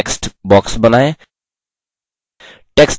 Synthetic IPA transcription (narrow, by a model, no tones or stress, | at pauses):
ksʈbɔksbənae | ʈeksʈ